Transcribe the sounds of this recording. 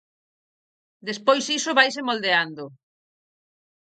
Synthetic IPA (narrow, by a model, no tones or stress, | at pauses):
d̪espojsisʊβajsemold̪eand̪ʊ